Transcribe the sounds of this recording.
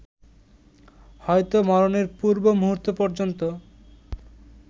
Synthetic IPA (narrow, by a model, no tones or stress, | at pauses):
hɔjt̪omɔɾoneɾpuɾbomuɦuɾt̪ːopɔɾd͡ʑont̪o